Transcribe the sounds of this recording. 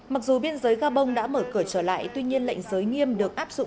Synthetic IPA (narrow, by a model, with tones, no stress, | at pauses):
ma˨˩k̚zu˨˩ɓi˧ənzəː˨˦jɣaː˧ɓə˧wŋ͡mɗa̰ː˧˥məː˧˩kɨ˧˩ət͡ɕəː˧˩la̰ː˧˨jt̪wi˧ɲi˧ənla̰˧˨jŋ̟zəː˨˦jŋi˧əmɗɨ˨˩ək̚ʔaː˦˥p̚zʊ̰˧˨